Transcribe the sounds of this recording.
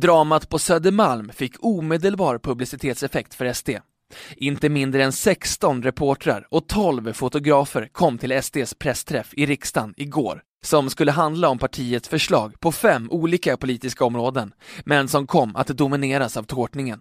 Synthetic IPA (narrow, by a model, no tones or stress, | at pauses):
d̪ɾɑːmat̪pʰɔsœd̪əmalmfɪkːuːmeːd̪əlbɑːɾpʰɵblɪsɪt̪ʰeːt̪sɛfɛk̚t̪fœɾɛsd̪eː | ʔɪnt̪əmɪnd̪ɾəɛnsɛkst̪ɔnɾɛpʰoːʈɾa̰ɾɔt̪ʰɔlvfʊt̪ʊɡɾɑːfəɾkʰɔmːt̪ʰɪlɛsd̪eːspʰɾɛst̪ʰɾɛfɪɾɪkst̪anɪɡo̰ːɾ | sɔmskɵlːəɦand̪laɔmpʰaʈʰiːət̪sfœʂɭɑːɡpʰɔfɛmːuːliːkapʊliːt̪ɪskaɔmɾoːd̪ənmɛnsɔmkʰɔmːʔa̰t̪d̪ʊmɪneːɾasavt̪ʰoːʈnɪŋən